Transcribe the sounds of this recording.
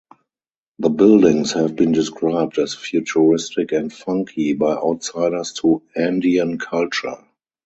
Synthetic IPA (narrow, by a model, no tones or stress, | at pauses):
ðəbɪldɪ̃ŋshɛvbĩːndɪskɹaɪb̚dɛzfjut͡ʃəɹɪstɪkɛ̃ntfʌ̃ŋkʰibaɪʔaʊtsaɪdə˞stʰuæ̃ndiə̃nkʰalt͡ʃə̰˞